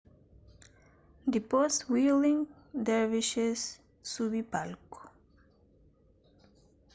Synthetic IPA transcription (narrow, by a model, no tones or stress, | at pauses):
d̪ipostwilĩŋ | d̪ɛɹviʃesː | uβipalko̥